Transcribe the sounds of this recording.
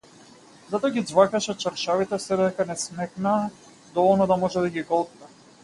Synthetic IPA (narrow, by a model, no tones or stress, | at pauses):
zat̪ɔaɡʲid̪zvakaʃɛt͡ʃaɾʃavit̪ɛsɛd̪ɛd̪ɛkanɛsmɛknaː | d̪ɔvɔlˠnɔd̪amɔʒɛd̪aɡʲiɡɔlˠt̪̚nɛ